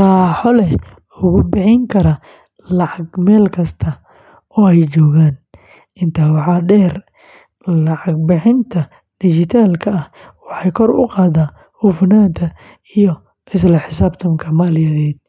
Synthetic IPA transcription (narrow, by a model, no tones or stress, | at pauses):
qɑːħɔlɛ | ʊɣʊbɪħɪŋkʰɐɾɐ | lɑʕɑɡmɛːlkʰɐst̪ʰɐ | ɔːɛjt͡ʃɔːɣaːn | ɪnt̪ʰaːwɑħɑːɖɛːr | lɑʕɑɡ̚bɪħɪnt̪ʰɐ | ɖ̥ɪt͡ʃɪt̪ʰaːlkʰɐɐhwɑħɑjkʰɔɾʊ̰qɑːðaː | ʊfnaːnt̪ʰɐ | ijɔ | ʔɪs̬lɐħɪsaːbt̪ʰɐmkʰɐmaːlɪjɐðɛːd̪̚